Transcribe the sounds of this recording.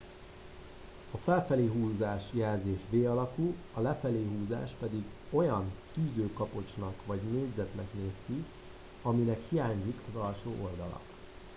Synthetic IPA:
ɒfɛlfɛleːɦuːzaːʃjɛlzeːʃʋeːɒlɒkul | ɒlɛfɛleːɦuːza̰ːʃpɛd̪iɡo̞jɒnt̪yːzøːkɒpo̞t͡ʃnɒkʋɒɟneːd̪zɛt̪nɛkneːski | ɒminɛkhijaːɲzikʰɒzɒlʃoːʔo̞ld̪ɒlɒ̰k

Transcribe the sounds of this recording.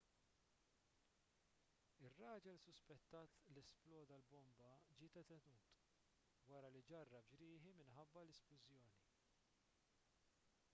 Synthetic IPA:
ɪrːɐːd͡ʒɛlsʊspɛt̪ːɐːt̪lɛsplɔːd̪ɐlbɔmbɐd͡ʒɪːt̪ɛt̪ɛnuːt̪ | wɐɾɐlid͡ʒɐrːɐbd͡ʒɾɪːħimɪnħɐbːɐlɛsplʊzjɔːni

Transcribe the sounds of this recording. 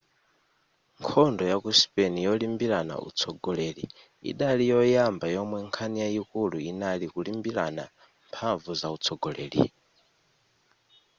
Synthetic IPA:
ŋkʰɔndɔjakuspɛnijɔlimbiɾana̰ṵt͡sʰɔɡɔlelḭ | ḭɗalijɔjambajɔmwɛŋkʰanijaikuluinalikulimbila̰na | mpʰaɱvuzaut͡sʰɔɡɔlḛːlḭ

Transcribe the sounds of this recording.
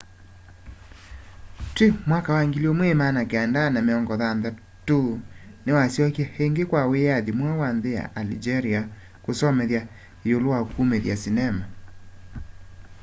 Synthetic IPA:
twemwakawaŋɡiliɔmwemanakeandanameɔŋɡɔðanða | tonewasjɔkjɛheŋɡekwawejaðimwawanðeja̰ʔalid͡ʒɛɾia | kosɔmɛðja | eolowaokumeðjasinɛma

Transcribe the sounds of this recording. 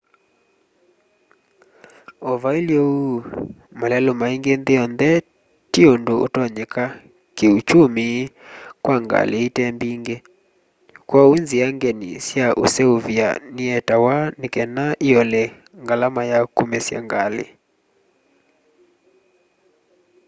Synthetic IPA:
ɔvailjɔumalɛlɔmaiŋɡenðeɔndɛ | tiondootɔɲɛka | keut͡ʃumi | kwaŋɡa̰leitɛmbiŋɡe | kwaenziaŋɡɛnḭsjaʔṵsɛuvia̰niɛtawanikɛnaʔiɔlɛ | ŋɡalamajakumɛsja̰ŋɡalḛ

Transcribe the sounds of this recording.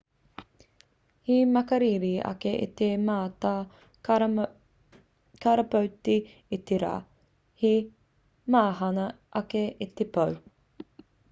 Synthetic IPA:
himɐkɐɾiɾiɐ̰keʔḭt̪emaːtaː | kaɾɐpɐwti | it̪eɾa̰ː | hi | maːɦɐnɐ | ʔɐkeit̪epɐw

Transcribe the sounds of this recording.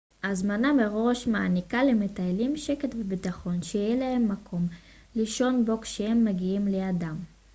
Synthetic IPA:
azmanameʁo̞ʃmaːnikalemetaelimʃeketvebitaχo̞nʃejjelahe̞mːakʰo̞m | liʃo̞nbo̞kʃehemːaɡiimleadam

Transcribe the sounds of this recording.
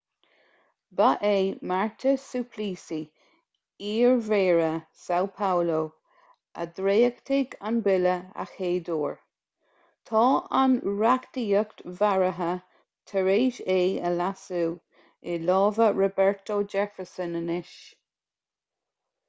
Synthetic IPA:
baʔeːmaɹt̪ʰəsupʰliːsi | iːɹveːɹəsawpʰawlo | ʔə̰d̪ɹeːəkt̪ʰɪɡanbɪləa̰xheːd̪oːɹ | t̪ʰɑːanɹaktiːəktvaɹəɦə | t̪ʰəɹeːʃeːəlasu | ɪlɑːvəɹɔbɛɹt̪od͡ʒɛfəɹsənənɪʃ

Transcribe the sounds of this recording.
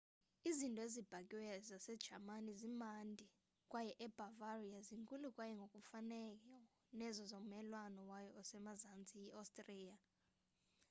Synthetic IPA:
izintʼɔezib̥ʱakʼiwɛzasɛd̥ʒ̥ʱamanizimandʱi | kʼwajɛʔɛb̥ʱavariaziŋkʼulukʼwajɛŋɡʱokʼufanɛkʼɔ | nɛzɔzommɛlwanɔwajɔɔsɛmazant͡sʼijiastʼrija

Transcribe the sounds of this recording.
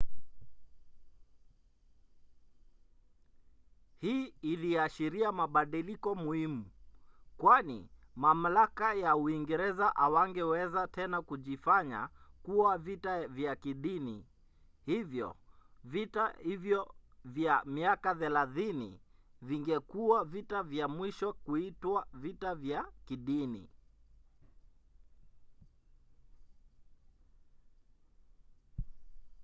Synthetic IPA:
hiːiliaʃiɾiamaɓaɗilikɔmuhimukwanḭmam̩lakajauiŋɡɛɾɛzaʔawaŋɡɛwɛzatɛnakuʄifaɲa̰kuwavitavjakiɗinḭ | hivjɔ̰vitahivjɔvjamiakaθɛlaθinḭviŋɡɛkuwavitavjamwiʃɔkuitwavitavjakiɗinḭ

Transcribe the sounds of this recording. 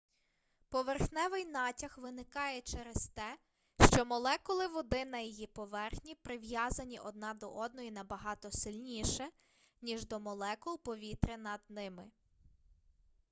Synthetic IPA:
pɔʋerxnɛʋɪjnɑtʲɐxʋɪnɪkɑjɛt͡ʃɛɾest̪ɛ | ʃt͡ʃɔmɔlˠɛkɔlˠɪʋɔd̪ɪnɐjijipɔʋɛrxnʲipɾɪʋjɑzɐnʲiʔɔd̪̚nɑd̪ɔʔɔd̪̚nɔjinɐbɐɦɑt̪ɔsɪlʲnʲiʃɛ | nʲiʒd̪ɔmɔlˠɛkʊpɔʋʲit̪ɾɪnɐd̪̚nɪmɪ

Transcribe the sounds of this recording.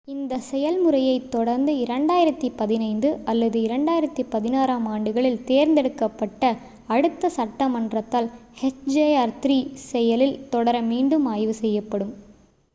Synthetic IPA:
ɪnd̪ɐsɛjɐlmɯɾɐjɐɪt̪ːɔɽɐɾnd̪ɯɪɾɐɳɖaːjɪɾɐt̪ːipɐðɪnɐɪnd̪ɯɐlːɐðɯɪɾɐɳɖaːjɪɾɐt̪ːipɐðɪnaːɾaːmaːɳɖɯɣɐɭɪlt̪eːɾnd̪ɛɽɯkːɐpːɐʈːɐ | ɐɽɯt̪ːɐsɐʈːɐmɐɳdrɐt̪ːaːlhɛt͡ʃd͡ʒejaːɾt̪ɾiːsɛjɐlɪlt̪ɔɽɐɾɐmiːɳɖɯmaːjʋɯsɛjːɐpːɐɽɯm

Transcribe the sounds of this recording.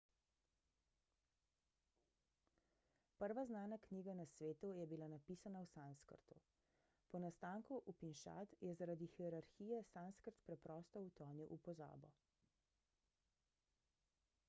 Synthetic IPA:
pəɾʋaznaːnakniːɡanasʋeːt̪ujɛbilanapiːsanawsanskə̰ɾt̪u | pɔnast̪aːŋkuʔupinʃa̰t̪jɛzaɾad̪ixiɛɾaɾxiːjɛsanskəɾt̪pɾɛpɾɔːst̪ɔwt̪ɔːnjuʔupɔza̰ːbɔ

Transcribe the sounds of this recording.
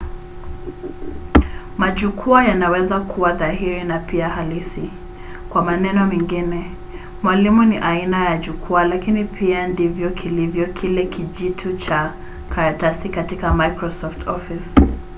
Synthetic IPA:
maʄukʰuajanawɛzakʰuwaðahiɾinapiahalisi | kwamanɛnɔmɛŋɡinɛ | mwalimuniʔainajaʄukʰualakinipʰiandivjɔkʰilivjɔkʰilɛkʰiʄitʰut͡ʃa | kʰaɾatasikatikamajkɾɔsɔftʰɔfis

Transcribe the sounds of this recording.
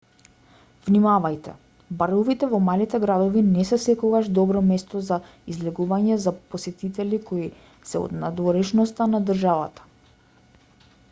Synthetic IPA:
vnimavajt̪ɛ̰ | baɾɔvit̪ɛvɔmalit̪ɛɡɾad̪ɔvinɛsɛsɛkɔɡaʒd̪ɔbɾɔmɛst̪ɔza | izlɛɡuvaɲɛzaposɛt̪it̪ɛlikoi | sɛo̰d̪nad̪vɔɾɛʃnɔst̪anad̪rʒava̰t̪ḁ

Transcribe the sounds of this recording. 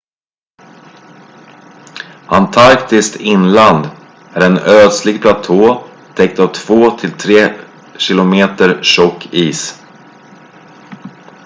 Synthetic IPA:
ant̪ʰaɾkt̪ɪskt̪ʰɪnland̪ | æɾɛnøːd̪slɪɡpʰlat̪ʰoː | t̪ʰɛk̚t̪avt̪ʰv̥oːt̪ʰɪlt̪ʰɾeː | ɕɪlʊmeːt̪əɾʂɔkʰːiːs

